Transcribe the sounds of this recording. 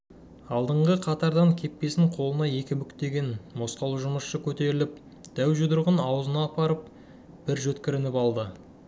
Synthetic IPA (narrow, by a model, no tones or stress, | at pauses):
ɑlˠd̪əɴʁəqʰɑt̪ɑɾd̪ɑŋkʲʰe̞pːe̞sɪŋqʰo̞lˠənɑje̞kʲɪmʏkt̪e̞ɡʲe̞nmo̞sqɑlˠuʒʊməsʃəkʲʰɵt̪e̞ɾɪlɪp̚ | d̪̥æwʒʊd̪ʊɾʁənɑwzənɑːpɑɾəp̚ | b̥ɪɾʒɵt̪kʲɪɾɪnɪpɑlˠd̪ə